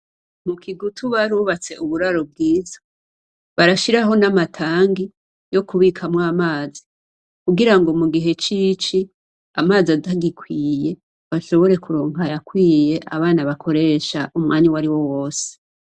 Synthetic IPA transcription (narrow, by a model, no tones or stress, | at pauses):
mukʰiɡutʰuβaɾuːβat͡se̞ʔuβuɾaɾo̞b̚ɡiːzo | βaɾaʃiɾaɦo̞namatʰaːŋɡi | jo̞kuβikʰamŋaːmaːzi | kuɡiɾaŋɡo̞muɡiɦe̞t͡ʃiːt͡ʃi | amaːziadaɡikʰwiːje̞ | βaʃo̞βo̞ɾe̞kuɾoːŋɡajakwiːje̞ʔa̰βaːnaβakʰo̞ɾe̞ʃaʔumŋaːniwaɾiwo̞woːse̥